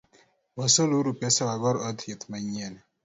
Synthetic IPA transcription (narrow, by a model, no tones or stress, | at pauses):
wɔsɔluɾupɛsɛwaɡɔɾɔtjitmaɲɛn